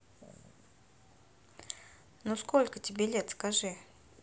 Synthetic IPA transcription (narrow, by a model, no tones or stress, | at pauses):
nusko̞lʲkətʲɪbʲelʲet̪skɐʐɨ